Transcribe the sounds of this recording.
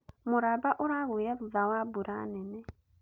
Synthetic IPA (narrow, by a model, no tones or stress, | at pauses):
mʊɾabaʔʊɾaɣuiɾavuðawabuɾanɛnɛ